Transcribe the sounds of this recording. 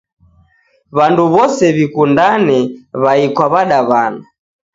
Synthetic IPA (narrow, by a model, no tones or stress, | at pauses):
βanduβɔsɛβikundanɛβaikwaβaɗaβana